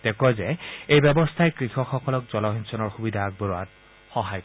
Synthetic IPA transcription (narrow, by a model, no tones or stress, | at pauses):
tɛkɔzɛejbɛbɔstʰajkɹixɔxɔkɔlɔkz̥ɔlɔɦinsɔnɔɹxubidʱaːɡ̚bɔɹɔat̚ | xɔɦaj